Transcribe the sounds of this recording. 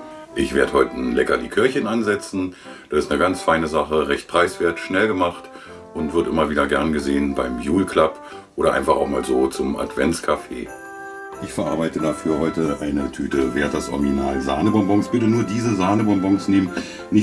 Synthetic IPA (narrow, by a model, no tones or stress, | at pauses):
ʔɪçv̥eːɐdəhɔʏtən̩lɛkɐdḭːkʰɪɐçənanzɛt͡sn̩ | d̥aːɪstnəɡant͡sfaɪnəzaχəʁɛçt̚pʁ̥aɪsv̥eːɐtʃnɛlɡəmaχt | ʔʊntv̥ʏɐdəʔɪmɐviːdɐɡɛɐnɡəzeːənbaɪmjuːlkʰl̥ap | ʔoːɾɐʔa̰ɪnfaχaʊxma̰ːlzoːt͡sʊmʔa̰tv̥ɛ̰nt͡skʰafḛː | ʔɪçfɛɐʔa̰ɐbaɪtədafyːɐhɔʏtəʔaɪnətʰyːtəveːɐt̚d̥asʔɔ̰ɐɡinaːlza̰ːnəbɔmbɔŋsb̥ɪtənuːɐdiːzəzaːnəbɔmbɔŋsneːmən | nɪ